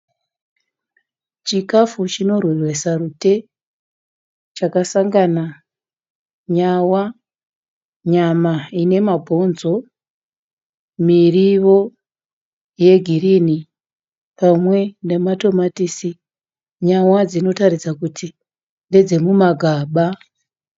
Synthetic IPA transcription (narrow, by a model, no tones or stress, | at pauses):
t͡ʃikafut͡ʃino̞rwerwe̞sarute̞ | t͡ʃakasaŋɡana | ɲawa | ɲamaine̞mabʱo̞nzo̞ | miriʋo̞ | je̞ɡʱirini | pamwe̞nde̞mato̞matisi | ɲawad͡zino̞tarid͡zakutʰi | nded͡ze̞mumaɡʱaːɓa